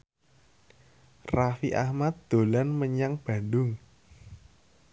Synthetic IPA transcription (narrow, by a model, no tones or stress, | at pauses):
rafiʔahmat̪̚d̪̥o̤lanməɲaŋb̥a̤ndʊŋ